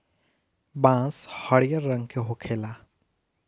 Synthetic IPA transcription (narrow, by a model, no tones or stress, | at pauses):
bãːshəɽijəɾːə̃ŋɡkeɦokʰeːlaː